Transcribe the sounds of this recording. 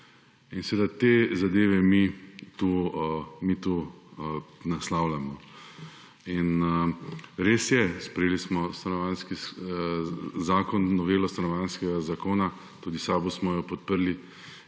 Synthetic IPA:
insɛʋeːd̪at̪eːzad̪eːʋɛmit̪u | mit̪u | naslawlamɔ | inəɾeːsjɛspɾɛjeːlismɔst̪anɔʋanski | zaːkɔnːɔʋeːlɔst̪anɔʋanskɛɡazakoːna | t̪uːd̪isaːbusmɔjɔpɔt̪̚pəɾli

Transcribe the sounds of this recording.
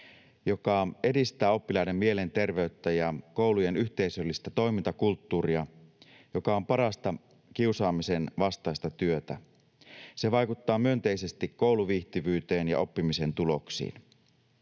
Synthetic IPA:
jo̞kɑe̞dist̪æːo̞pːilɑine̞mːie̞le̞nt̪e̞rʋe̞yt̪ːæjɑko̞uluje̞nyçt̪e̞isølːist̪æt̪o̞jmint̪ɑkult̪ːuːriɑ | jo̞kɑo̞mpɑɾɑst̪ɑ | kiusɑːmise̞nʋɑst̪ɑist̪ɑt̪yø̞t̪æ̰ | se̞ʋɑjkut̪ːɑːmyø̞nt̪e̞ise̞st̪ikkːo̞wluʋiht̪iʋyːt̪e̞ːnjɑ̰o̞pːimise̞nt̪ulo̞ksḭːn

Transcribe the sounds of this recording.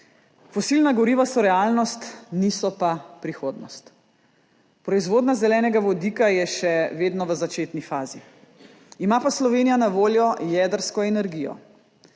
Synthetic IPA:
fɔsilnaɡɔɾiːʋasɔɾɛaːlnɔst̪nisɔpapɾixoːd̪nɔ̰st̪ | pɾɔizʋoːd̪nazɛlɛːnɛɡaʋɔd̪ikajɛʃɛʋeːd̪nɔʋəzat͡ʃeːt̪nifaːzi | imapaslɔʋeːnijanaʋoːljɔjɛːd̪əɾskɔɛnɛɾɡijɔ̰

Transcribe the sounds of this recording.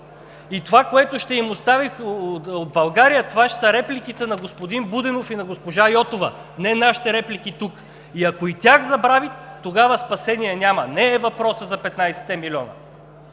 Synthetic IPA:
it̪ovakoɛt̪oʃt̪ɛimost̪aviod̪̚bɐlˠɡaɾijət̪ovaʃsɐɾɛplik̟it̪ɛnɐɡospod̪inbud̪ɛnofinɐɡospoʒajɔt̪ovə | nɛnaʃi̥t̪ɛɾɛplʲikit̪uk | iɐkoit̪ʲaxzɐbɾavit̪ːoɡavəspɐsɛniɛnʲamɐnɛːvɐpɾɔsəzɐpɛt̪najsɛ̥t̪ɛmilʲɔnɐ̰

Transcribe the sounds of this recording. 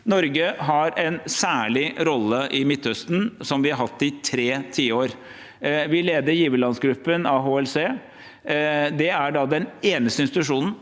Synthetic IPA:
nɔɾɡəɦɑɾɛnsæːɭɪɾɔlːəʔɪmɪt̪ːhœst̪n̩sɔmʋɪhɑɾɦɑt̪ːɪt̪ʰɾeːt̪ʰiːəoːɾ | ʋɪleːd̪əɾjiːʋəlɑnsɡɾʉpːənɑɦoːɛlseː | d̪ɛæɖɑd̪ɛneːnəst̪əɪnst̪ɪt̪ʉʂuːnn̩

